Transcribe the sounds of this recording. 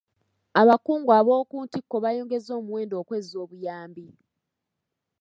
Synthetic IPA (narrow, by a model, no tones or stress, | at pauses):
aβakuːŋɡwaβo̞ːkuːntikːo̞βajoːŋɡe̞zo̞ːmuweːndo̞ːkwe̞zo̞ːβujaːmbi